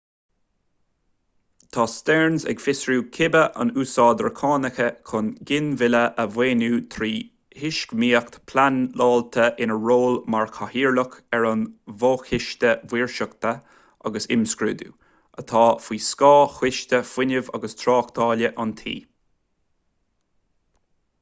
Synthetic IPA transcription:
t̪ʰɑːst̪ɛɹnzɛ̰ɡfɪsɹuːkʰɪbəʔa̰nuːsɑːd̪əɹkʰɑːnəxəkʰʊnɡɪnvɪləʔəvweːnuːt̪ʰɾiː | hɪʃkmiːəkt̪pʰlanlɑːlt̪ʰəʔɪnəɹoːlmaɹkʰahiːɹlʊkɛɹʊnvoːxɪʃt̪əvwiːɹʃəkt̪ʰə | aɡəsɪ̰mskɹṵːd̪ṵː | ət̪ʰɑːfwiːskɑːxwɪʃt̪ʲəfwɪnəva̰ɡəst̪ʰɾɑːkd̪ɑːləʔant̪ʰḭː

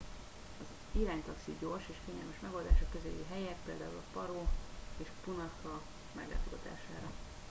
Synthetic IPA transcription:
ɒz | iɾaːɲt̪ɒksiɟorʃeːʃfeːɲɛlmɛʃmɛɡo̞ld̪a̰ːʃɒkːøzḛjiɦɛjɛt̪peːld̪aːulɒpɒɾoːeːʃpunɒkɒ | mɛ̰ɡla̰t̪oɡɒt̪a̰ːʃa̰ːɾɒ

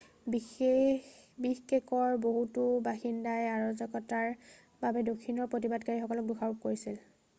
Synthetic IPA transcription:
bixe | bixkɛkɔɹboɦutʊbaxindajaɹɔzɔkɔtaɹ | babɛdokʰːinɔɹpɹot̬ibadkaɹixɔkɔlɔk̚duxʰaɹup̚koɹisil

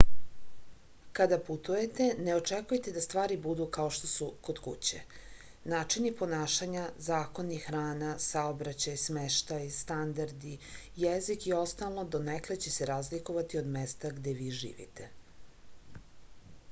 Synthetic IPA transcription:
kad̪aput̪uje̞t̪e̞neo̞t͡ʂekujt̪ed̪ast̪ʋaːɾibud̪ukao̞ʃt̪o̞suko̞d̪kṵt͡ɕḛ | naːt͡ʃinipo̞naːʃaɲazaːko̞nixɾaːnasaobɾat͡ɕajsmeʃt̪ajst̪and̪aɾd̪i | jezikio̞st̪alˠnod̪o̞neklet͡ɕeseɾaːzlikoʋat̪io̞d̪mest̪aɡd̪eʋiːʒḭːʋḭt̪e

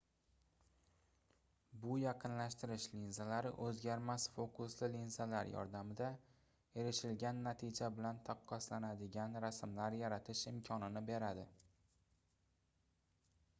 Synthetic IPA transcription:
bʊjɑqʰɨnlaʃt̪ɪɾɪʃlinzalaɾɪ̰ʔɵzɡʲaɾmasfokʊslɪlinzalaɾjɒ̰ɾd̪amɪd̪a | e̞ɾɪʃɪlɡʲanːat̪ʰɪd͡ʒabɪlant̪ʰaqʰːɒslanad̪ɪɡʲanɾasmlaɾjaɾat̪ʰɪʃɪmkʲʰɒnɪnɪbe̞ɾad̪ɪ

